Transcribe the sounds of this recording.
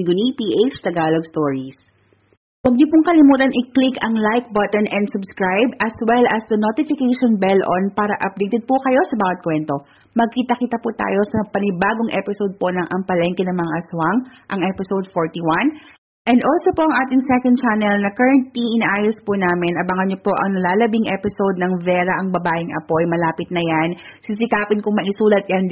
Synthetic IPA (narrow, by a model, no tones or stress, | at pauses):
ɡʊnipiʔejt͡ʃt̪ɐɡaloɡ̚st̪oɹis | wɐɡ̚ɲopʊŋkɐlɪmuːt̪ɐnʔɪklɪkɐŋlajk̚bɐt̪ɔnʔɛnd̪sʊbskɹajbɐswɛlʔɐsd̪ɐnot̪ɪfɪkejʃonbɛlʔo̰npaːɾɐʔɐp̚d̪ejt̪ɛd̪̚pʊkɐjo̞sɐbawɐt̪̚kwɛnt̪o̞ | mɐɡ̚kiːt̪ɐkiːt̪ɐput̪a̰ːjo̞sɐpɐnɪbaːɡoŋʔɛ̰pɪsod̪̚po̞nɐŋʔɐmpɐlɛŋkɛnɐŋmɐŋaʔɐswaŋʔɐŋʔɛpɪsowd̪̚foɹt̪iwɐn | ʔɛnd̪ʔolsopoʔɐŋʔaːt̪ɪŋsɛkɐnd̪̚t͡ʃanɛlnɐkɐɹɐnt̪iŋʔɪnaʔaːjospʊnaːmɪnʔɐbɐŋɐnɲopo̞ʔɐ̰ŋnɐlaːlɐbiŋʔɛpɪsowd̪̚nɐŋvɛːɾɐʔɐŋbɐbaːʔɪŋʔɐ̰po̞jmɐlaːpɪt̪̚nɐjan | sis̬ɪkaːpɪnkʊŋmɐʔɪsuːlɐt̪̚jɐn